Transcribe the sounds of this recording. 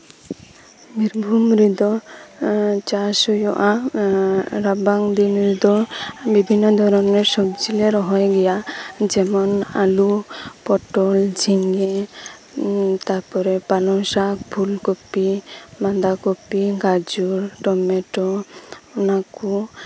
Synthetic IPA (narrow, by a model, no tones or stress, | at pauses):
miɾbʱumɾid̪ɔ | t͡ʃasɔjɔʔa | ɾabaŋd̪inɾid̪ɔbibʱinːɔd̪ʱɔɾɔnɛɾsɔbd͡ʒileɾɔɦɔjɡɛjad͡ʒɛmɔnalupɔʈɔld͡ʒʱiŋɡe | t̪aɾpɔɾɛpalɔŋsakpʰulkopimand̪akopiɡad͡ʒuɾʈɔmɛʈɔɔnaku